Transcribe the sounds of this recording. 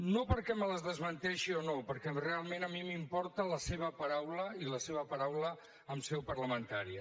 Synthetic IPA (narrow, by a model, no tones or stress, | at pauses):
nopəɾkɛmələzðəzβənt̪ɛʃionopəɾkɛrealˠmenəmimimpɔɾt̪ələseβəpəɾawləiləseβ̞əpəɾawlə | əmsɛwpəɾləmənt̪aɾiə